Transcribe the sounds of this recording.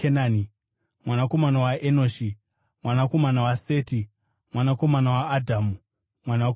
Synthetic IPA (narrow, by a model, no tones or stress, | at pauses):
enaːni | mwanako̞manawaʔenoːʃi | mwanako̞manawaseːti | mwanako̞manawaːdʱaːmu | mwanawa